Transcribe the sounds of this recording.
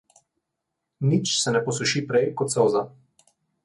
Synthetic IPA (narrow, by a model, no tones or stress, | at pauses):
nit͡ʃsɛnɛpɔsuʃipɾɛjkɔt̪sɔwza